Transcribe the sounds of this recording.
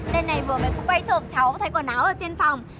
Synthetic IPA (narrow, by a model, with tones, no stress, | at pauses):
ɗe˧nːa˨˩jmɨ˨˩əmə˨˩kʊ˨˦kwa˧jt͡ɕo˧˩m̚t͡ɕa˨˦wt̪ʰa˨˧˦jkɔː˧˩naː˨˦wʔəː˧˨˩t͡ɕe˧nfa˨˩wŋ͡m